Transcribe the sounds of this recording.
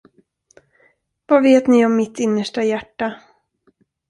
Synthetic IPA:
vaveːt̪nɪɔmːɪt̪ɪnːəʂʈajæʈːa

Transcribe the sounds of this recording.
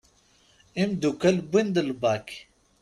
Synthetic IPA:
imd̪ukɐlbind̪əlbaːki̥

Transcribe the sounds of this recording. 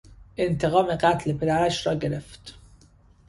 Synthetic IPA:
ʔent̪ʰeɣɒːmeɣæt̪lepʰe̞d̪æɾæʃɾɒːɟe̞ɾeft̪

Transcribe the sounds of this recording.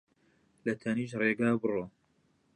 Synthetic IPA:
lɐt̪ʰɐniːʃ̬reːɡaːbɨroː

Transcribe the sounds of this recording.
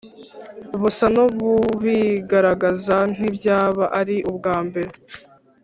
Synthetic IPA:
βusanoβuβiɡaɾaɡazan̥ibɟaːβaʔaɾiʔubɡaːmbe̞ɾe

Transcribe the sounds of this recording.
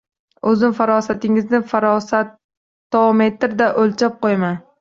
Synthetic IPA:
ɵzɪmfaɾɒsat̪ɪŋɪznɪfaɾɒsat̪ː | ome̞t̪ɾd̪aʔolt͡ʃʰap̚qojman

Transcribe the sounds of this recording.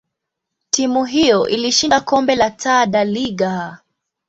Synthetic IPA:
timuɦijɔʔiliʃindakɔmbɛlatʰaɗaliɡa

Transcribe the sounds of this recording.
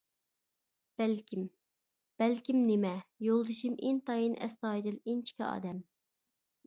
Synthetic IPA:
b̥ɛlkʲʰim | b̥ɛlkʲimnemɛjolˠd̪ɨʃimʔint̪ɑjinɛ̰st̪ɑːd̪ɪlint͡ʃʰi̥kʲḭɑ̰ːd̪ɛm

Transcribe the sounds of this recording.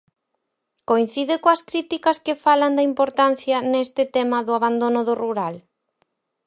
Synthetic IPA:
koin̟θiðɪkoɐskɾit̪ikɐskɪfalɐnd̪ɐimpoɾt̪an̟θjɐnest̪ɪt̪emɐðʊaβ̞and̪onʊðʊruɾal

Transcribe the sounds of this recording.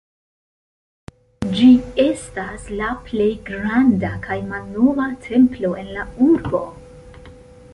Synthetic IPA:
d͡ʒie̞staslaple̞jɡɾandakʰajmalno̞vatʰe̞mplo̞e̞nlauɾbo̞

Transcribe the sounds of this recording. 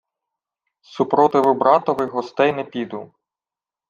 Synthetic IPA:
supɾɔt̪ɪʋʊbɾɑt̪ɔʋɪɦɔst̪ɛjnɛpʲid̪u

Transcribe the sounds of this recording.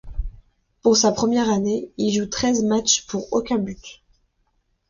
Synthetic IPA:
puʁsapχəmjɛʁaneilʒut̪χɛzmat͡ʃpuʁokʲɛ̃byt̪

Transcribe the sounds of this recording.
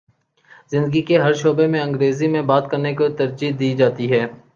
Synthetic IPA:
zɪ̃nd̪əɡikeɦɐɾʃoːbemẽɐ̃ŋɡɾeːzimẽbaːt̪kɐɾnekot̪ɐɾd͡ʒiːd̪iːd͡ʒaːt̪iɦɛː

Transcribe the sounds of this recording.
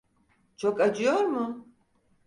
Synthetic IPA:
t͡ʃʰokad͡ʒijoɾmʊ

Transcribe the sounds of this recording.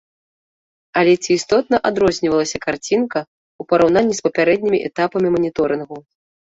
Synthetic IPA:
ɐlʲɛt͡sʲiːst̪ɔt̪̚nɐʔad̪ɾɔzʲnʲivɐlˠɐsʲɐkart͡sʲinkɐ | upɐɾawnanʲːispɐpʲaɾɛd̪̚ʲnʲimʲiʔɛt̪apɐmʲimɐnʲit̪ɔɾɨnɣu

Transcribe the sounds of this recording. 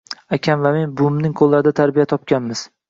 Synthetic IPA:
akʲʰanvame̞nbʊmnɪŋqʰolˠːaɾɪd̪at̪ʰaɾbijat̪ʰɒp̚kʲanmɪz̥

